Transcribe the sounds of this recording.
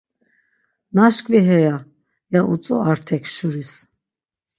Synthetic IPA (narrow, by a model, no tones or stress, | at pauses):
naʃkviɦɛja | jaʔut͡sʼɔ̰aɾt̪ʰɛkʰʃuɾis